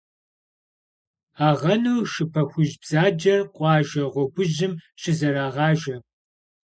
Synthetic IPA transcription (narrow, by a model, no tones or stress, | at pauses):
aːʁɐnuːʃɨpʰɐxʷʊʒbz̥aːd͡ʒɐrqʷʼɑːʒɐʁʷɔɡʷʊʑɪmɕɪzɐɾaːʁɑːʒɐ